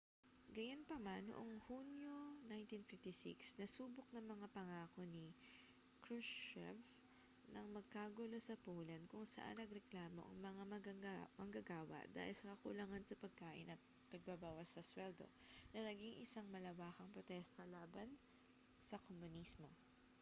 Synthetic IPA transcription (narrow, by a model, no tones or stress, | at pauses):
ɡɐjonpɐmanːo̰ʔoŋhunjo̞najnt̪infɪft̪isḭksnɐsuːbok̚nɐŋmɐŋapɐŋaːko̞ni | kɹusɛ̰v | nɐŋmɐɡ̚kaːɡʊlosɐpoːlɐnd̪̚kʊŋsɐ̰ʔa̰nːɐɡɾɛklaːmo̞̰ʔɐ̰ŋmɐŋamɐɡŋamɐŋɡɐɡaːwɐ̰ʔd̪a̰ːhɪlsɐkɐkʊ̰lɐŋansɐpɐɡ̚kaːʔɪ̰nːɐ | pɐɡ̚babaːwɐsːɐswɛld̪o̞̰ | nɐnɐɡiŋʔɪ̰saŋmɐlɐwaːkɐŋpɾot̪ɛst̪ɐlaːbɐn | sɐkomʊnismo̞